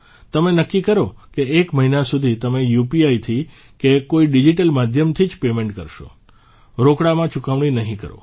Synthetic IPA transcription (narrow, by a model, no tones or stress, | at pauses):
t̪əmenəkːikəɾokeekməɦinasud̪ʱit̪əmejupiait̪ʰi | kekoiɖid͡ʒiʈəlmad̪ʱjəmt̪ʰid͡ʒpemẽɳʈkə̰ɾʃo̰ | ɾokɽamãt͡ʃukaʋɽ̃inəɦĩkə̰ɾo̰